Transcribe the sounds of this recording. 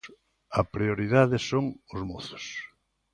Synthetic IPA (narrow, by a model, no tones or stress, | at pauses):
ɐpɾioɾiðaðɪsoŋʊzmoθʊ̥s